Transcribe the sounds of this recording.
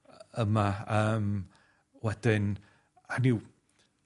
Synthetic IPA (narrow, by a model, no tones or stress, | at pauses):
əmaəːm | wɛd̥ɪn | anɪw